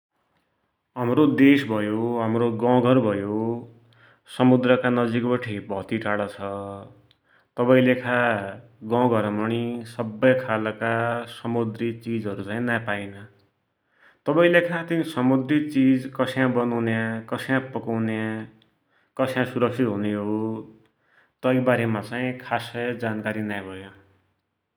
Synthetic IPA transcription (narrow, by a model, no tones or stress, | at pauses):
ɦʌmrod̪esbʱʌjoɦʌmroɡʌ̃ɡʱʌɾbʱʌjo | sʌmud̪rʌkanʌd͡zikbʌʈʰebʱʌt̪iʈaɽʌt͡sʰʌ | t̪ʌbaĩlekʰa | ɡʌ̃ɡʱʌɾmʌɽ̃isʌbːʌjkʰalʌkasʌmud̪rit͡sid͡zɦʌɾut͡saĩnapainʌ | t̪ʌbaĩlekʰãt̪inisʌmud̪rit͡sid͡zkʌsjãbʌnawnjãkʌsʰjãpʌkawnjã | kʌsʰjãsuɾʌksʰit̪ɦuneɦo | t̪ʌibaɾemat͡saĩkʰasʌd͡zankaɾinajbʱʌjõ